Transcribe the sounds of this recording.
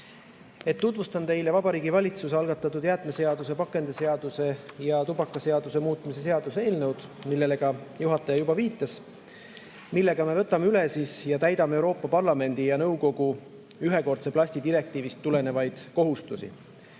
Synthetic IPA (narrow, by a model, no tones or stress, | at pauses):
e̞t̪ːut̪vust̪ɑnt̪e̞jle̞vɑbɑɾiːɡivɑlʲit̪sus̬eɑlɡ̥ɑt̪ːˑɑt̪ːˑud̪jæːt̪ˑme̞se̞ɑd̪̥use̞pɑkːˑe̞nd̪̥ese̞ɑd̪̥use̞jɑt̪ubɑkːˑɑse̞ɑd̪̥use̞muːt̪ˑmise̞s̬e̞ɑd̪̥use̞ːlnɤwd̪̥milːe̞leɡ̥ɑjuɦɑt̪ːˑɑjɑjubɑviːt̪ːˑɑs | milːe̞ɡ̥ɑme̞vɤt̪ːˑɑmeylesiːsjɑt̪æjd̪̥ɑmeewɾo̞ːpːɑpɑrlɑme̞nd̪̥ijɑnɤwko̞ɡ̥u | yɦe̞ko̞rt̪seplɑsʲt̪id̪̥iɾe̞k̚t̪iːvist̪ːule̞ne̞vɑjd̪̥ko̞ɦust̪usḭ